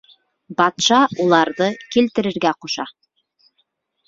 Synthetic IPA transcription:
bɑt̪ʃɑʔulˠɑɾðɤkilt̪ɘ̆ɾɘ̆ɾɡæquʃɑ

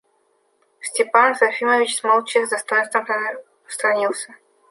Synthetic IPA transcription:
sʲtʲɪpansɐfʲiməvʲɪt͡ɕsmɐlˠt͡ɕexd̪ɐst̪ojənst̪vəm | st̪ɾɐnʲilˠsʲɐ

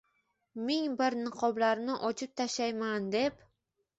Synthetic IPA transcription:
mɪŋbɪɾnɨqʰɒblaɾnɪʔɒt͡ʃʰɪp̚t̪ʰaʃajmand̪e̞p

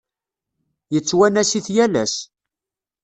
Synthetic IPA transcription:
jət͡sːwænæsiθjælæs

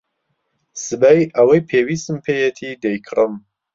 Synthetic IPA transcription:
sɨbɐjʔɐwɐjpʰewiːst̪ɨmpʰeːjet̪ʰid̪ejkʰrɨm

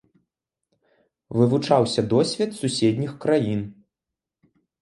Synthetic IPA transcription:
vɨvut͡ʂawsʲɐd̪ɔsʲvʲɛt̪susʲɛd̪ʲnʲixkɾajin

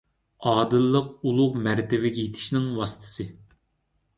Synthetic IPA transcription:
ɑːd̪ɨlˠːəq̚ulˠʊʁmæɾt̪ʰɪvɪɡʲɛjet̪ʰɪ̥ʃnɪŋwɑsɨ̥t̪ʰɨ̥sɨ

